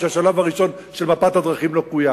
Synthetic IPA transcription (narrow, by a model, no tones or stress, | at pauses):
aʃalavaʁiʃo̞n | ʃe̞lmapat̪had̪ʁaχimlokuja